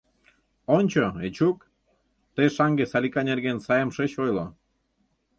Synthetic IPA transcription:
onʲt͡ɕoet͡ɕuk | t̪eʃɑŋɡesɑlʲikɑnʲerɣensɑjəmʃet͡ɕojlo

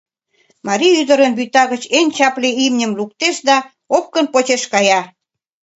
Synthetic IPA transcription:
mɑɾiyd̪ə̆ɾənbyt̪ɑɣət͡ɕenʲt͡ɕɑpleimnʲə̆mluk̚t̪eʃd̪ɑ | op̚kə̆npot͡ɕeʃkɑjɑ

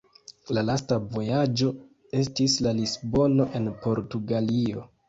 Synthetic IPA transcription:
lalastavo̞jad͡ʒo̞ | e̞stislalisbo̞no̞ʔe̞npo̞ɾtuɡalio̞

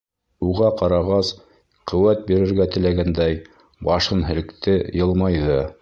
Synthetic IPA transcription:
uʁɑqɑɾɑʁɑs | qɵ̆wæt̪̚biɾɘ̆ɾɡæt̪ɘ̆læɡænd̪æj | bɑʃɤnɦɘ̆lɘ̆kt̪ɘjɤlˠmɑjðɤ

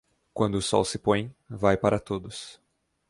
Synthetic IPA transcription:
kwɐ̃nd̪ʊːsɔ̰wsɪpõj̃vajpaɾʔɐt̪od̪ʊs

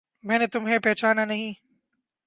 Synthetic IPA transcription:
mɛ̃ːnet̪ʊmɦepɛːt͡ʃaːnanɐɦĩː

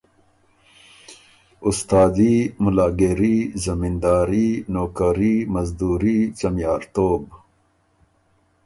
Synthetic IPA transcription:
ʊst̪aːd̪imʊlaːɡeɾizɐmind̪aːɾinoːkɐɾimɐzd̪uːɾit͡ʃɐmjɑːɾt̪oːb

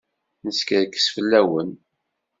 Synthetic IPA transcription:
nəskəɾkːə̥sfəlːæwən

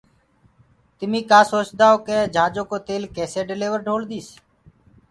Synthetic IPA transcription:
t̪ɪmĩːkaːsoːt͡ʃd̪aːoːkeːd͡ʒʱãːd͡ʒoːkoːt̪eːlkeːseːɖɪleːʋəɾɖʱoːld̪iːs

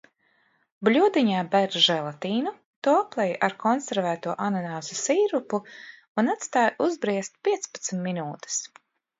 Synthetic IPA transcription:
blʲud̪iɲaːbɛɾʒɛlˠat̪iːnu | t̪uɔaplˠɛjʔaɾkʰɔnsɛɾvæːt̪uɔʔanɔnawzasiːɾupu | unat̪st̪aːjʔuzbɾiɛst̪̚pʲiɛt̪spḁt̪smʲminuːt̪e̥s

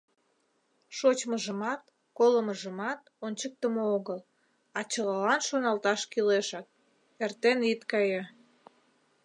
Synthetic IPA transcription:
ʃot͡ɕməʒəmɑt̪ | koləməʒəmɑt̪ | onʲt͡ɕək̚t̪əmooɣəl | ɑt͡ɕəɣɑlɑnʃonɑlt̪ɑʃkileʃɑk̪̚ | ert̪enit̪kɑjɑ

